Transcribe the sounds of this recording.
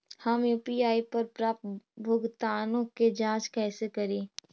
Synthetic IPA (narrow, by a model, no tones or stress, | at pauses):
hɐmjuːpiaːipɐɾpɾaːpbʱʊɡt̪aːnõked͡ʒãːt͡ʃkɛːsekɐɾiː